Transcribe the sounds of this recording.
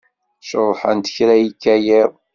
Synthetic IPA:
ʃəɾˤħənt̪ə̥çɾæjikːæjɪðˤ

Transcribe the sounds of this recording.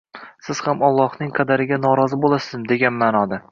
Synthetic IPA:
sɪz̥hamɒlˠːɒhnɪŋqʰɑd̪aɾɪɡʲanɒɾɒzɪbolˠasɪzmd̪e̞ɡʲanmaːnɒd̪a

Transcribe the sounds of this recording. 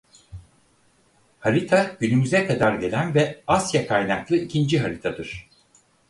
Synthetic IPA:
haɾit̪ʰaɟ̥ynymyzɛkʰad̪aɾɟe̞lʲænvɛasjakʰajnaklˠɯicʰind͡ʒiɦaɾit̪ʰad̪ɯɾ̝̥

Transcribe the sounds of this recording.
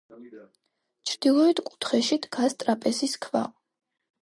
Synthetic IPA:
t͡ʃʰɾd̪̥ilˠɔɛt̪ʰkʼu̥t̪ʰχɛʃid̪ɡ̥ast̪ʼɾapʼɛsiskʰva̰

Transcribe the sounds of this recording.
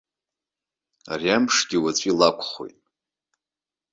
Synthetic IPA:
a̰riampʂɡʲiwat͡ɕʷʼilakʷʰχo̞̰jtʼ

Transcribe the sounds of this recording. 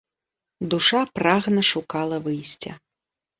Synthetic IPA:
d̪uʂapɾaɣnɐʂukalˠɐvɨjsʲt͡sʲɐ̰

